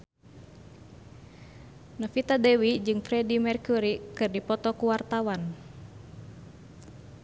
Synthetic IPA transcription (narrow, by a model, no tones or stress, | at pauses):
nəfit̪adɛwid͡ʒɨŋfɾɛdimɛrkuɾikɨrdipɔt̪ɔkuwart̪awan